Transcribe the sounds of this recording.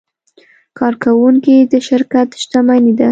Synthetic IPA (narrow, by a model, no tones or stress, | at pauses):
kʰɑɾkawuŋkid̪əʃɪɾkat̪ʃt̪amanid̪a